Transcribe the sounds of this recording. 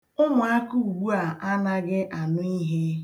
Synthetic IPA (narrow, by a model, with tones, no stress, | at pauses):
ʊ˦mʊ˨a˦ku˦u˨ɡu˦a˨ʔa˦na˦ɡɪ˦ʔa˨nʊ˦i˦ɦe˦